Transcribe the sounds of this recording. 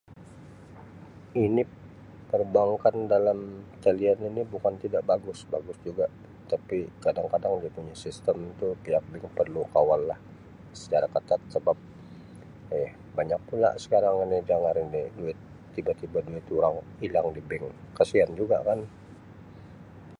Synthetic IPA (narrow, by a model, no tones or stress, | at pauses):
inɪ | pərbaŋkandalamt̪əlianinibukant̪idaʔbaɡʊsba̰ɡʊsd͡ʒuɡaʔ | t̪apikadaŋkadaŋdiapuɲasist̪əmt̪upiak̚bɪŋpərlukawalːah | sə̥t͡ʃaɾakət̪at̪̚səbap̚ | jah | baɲak̚pula̰sə̥kaɾaŋinɪd͡ʒaŋaniniduɪt̪ː | ibat̪ibaduɪt̪uɾaŋ | ilaŋdibɪŋkəsiand͡ʒuɡa̰kan